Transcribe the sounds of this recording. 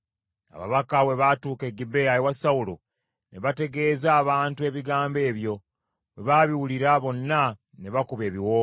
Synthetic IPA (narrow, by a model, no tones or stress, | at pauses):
a̰βa̰βakawe̞βatuːke̞ɡibeajewasawulo | ne̞βate̞ɡe̞ːzaːβaːntue̞βiɡaːmbe̞ːβjo̞ | weβaβiwuliɾaβo̞nːa | ne̞βakuβe̞ːβiwoː